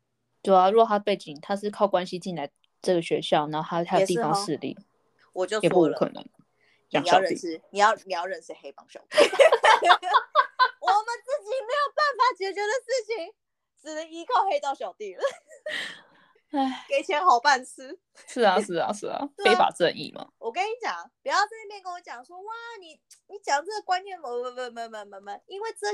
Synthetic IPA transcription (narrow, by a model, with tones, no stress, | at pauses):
t̪we˥˩a˨˩ɻu˥˨˩t̪ʰa˥pe˥˩ɪt͡ɕi˨˩ŋt̪ʰa˥ʂɻ̩˥˧kʰɑ˥˩ʊkwa˦nɕi˧t͡ɕi˥˧nla˧˥ɪ | ʈ͡ʂɤ˥˩ɡə˩ɕɥɛ˧˥ɕjɑ˥˩ʊna˧˥o˥˩tʰa˥˧˩a˥j̪i˧˥˨fɑ˥ŋʂɻ̩˥˧lḭ˥˩ | wɔ˨˩t͡ɕjo˥˧jpu˧˥˩u˥kʰɤ̰˨˩nɤ̰˧˦ŋ | ɑ˥ŋ˨jɕɑ˨˧ə˧˥ḭ˥˧ni˨˩jɑ˥˩ʊni˨˩jʊɻə˧˥˩ns̩˥˧xe˧˥ɪpɑ˧˥ŋɕjɑ˨˩ʊt̪i˥˩ | wɔ˨˩mə˨˦nt͡sɹ̩˥˩t͡ɕi˨˩me˧˥ɪjo˨˩ʊpa˥˩nfa˨˩t͡ɕɥɛ˧˥t͡ɕjo˧˥d̪ə˨ʂ̩˥˩t͡ɕʰi˩ŋ | ʈ͡ʂɻ̩˨˩nə˧˦ŋi˥kʰɑ˥˧ʊxe˥ɪt̪ɑ˥˩ʊɕjɑ˨˩ʊt̪i˥˩lə˩ | a˥˨˩ke˨˩ɪt͡ɕʰjɛ˧˥nxɑ˨˩ʊpa˥˩nt͡sʰɹ̩˥ | ʂɻ̩˥˩ɐ˨ʂɻ̩˥˩ɐ̰˨ʂɻ̩˥˩ɐ̰˩fe˥ɪfa̰˨˩t͡sə˧nḭ˥˩mɐ̰˩wɔ˨˩kə˥ni˧˥t͡ɕjɑ˨˩˦ŋpu˨˩jɑ˥˧ʊt͡smjɛ˥˧nkə˥nwɔ˧˦t͡ɕjɑ˨˩ŋʂwɔ˥wa˥˩ni˨˩ | ni˨˥t͡ɕjɑ˨˩ŋt͡sə˥˩d̪ə˨˩kwa˥nnjɛ˥˩nmə˧˦wə˥˩ə˥˧˩nmə˧nmə˧nmə˧˩nmə˨ni˥nwe˥˧ɪt͡sə˥˧